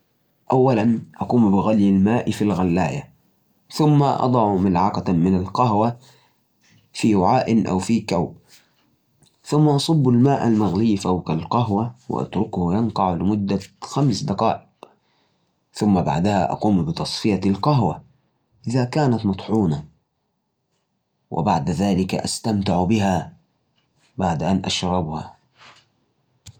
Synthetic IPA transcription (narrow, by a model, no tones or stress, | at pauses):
ʔawːalanʔɑquːmbɪɣaljalmaːʔfilɣalːa̰ːja̰ | θʊmːaʔɑ̰d̪ˤɑʕmalʕɑqamɪnalqaɦwa | fiwaʕaːʔɪnʔa̰wfikawb | θʊmːaʔɑsˤɑbːalmaːʔalmaɣlɪjːfawkalqaɦwawɪ̰ʔa̰t̪ɾʊkhjɑnq̪ɑʕlɪmʊd̪ːaxamsd̪ɑqɑ̰ːʔɪq | θʊmːaba̰ʕd̪aha̰ʔɑ̰quːmbɪt̪ɑsˤfɪjalqɑɦwa | ʔɪðakaːnat̪mɑt̪ˤħuːna | wʔɪ̰baʕd̪aðaːlɪka̰ʔa̰st̪amt̪ɪʕbɪɦa | baʕd̪aʔanʔaʃɾˤɑbha̰